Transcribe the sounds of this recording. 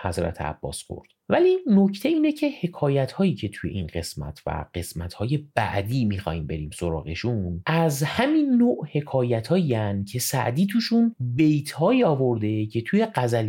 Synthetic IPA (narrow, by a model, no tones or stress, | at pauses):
hæzɾæ̰t̪ʰeæ̰b̥ːɒ̰ːsko̰ɾd̪̥vælinocʰt̪ʰe̞iːnecʰe̞he̞kʰɒːjæt̪hɒːjiːcʰe̞t̪ʰuje̞ʔinɢe̞smæ̰t̪ʰvæ̰ɢe̞smæt̪hɒːje̞b̥æ̰ʔd̪iːmixɒ̰ːhiːmbe̞ɾiːmso̞ɾɒ̰ːɣe̞̰ʃunæzhæminːoːʔhe̞kʰɒːjæt̪ʰhɒːiænd̪cʰe̞sæ̰ʔd̪iːt̪ʰuːʃunbe̞jt̪ʰhɒːiɒːvo̞ɾd̪e̞cʰe̞t̪ʰuːje̞ɢæzæl